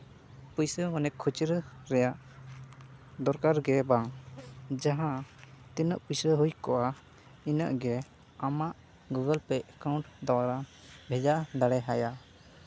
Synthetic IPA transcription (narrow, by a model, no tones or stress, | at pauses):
pujsəmɔnɛkʰːut͡ʃɾə | ɾɛjaʔ | d̪ɔɾkaɾɡɛbaŋ | d͡ʒaɦãt̪inəʔpujsəɦujkɔʔa | inəʔɡɛ | amaʔ | ɡuɡəlpɛɛkaw̃ɳʈd̪awaɾa | bʱɛd͡ʒaʔd̪aɽɛɦaja